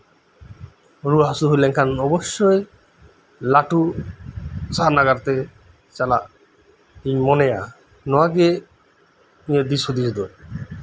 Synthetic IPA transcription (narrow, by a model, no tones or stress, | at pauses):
ɾuɦasuɦoleŋkʰanɔboʃːoj | laʈu | saɦanaɡaɾt̪e | t͡ɕala | ejmɔneja | nɔaɡe | ied̪isod̪iɾd̪o